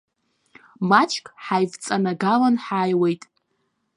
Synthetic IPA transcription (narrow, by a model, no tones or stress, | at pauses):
mat͡ʃʰʼkʼħajvt͡sʼanaɡalanħaːjwejtʼ